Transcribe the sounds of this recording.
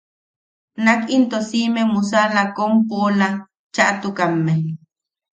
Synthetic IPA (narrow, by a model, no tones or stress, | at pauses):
nakint̪osimemus̬alakompola | t͡ʃaʔt̪ukamːe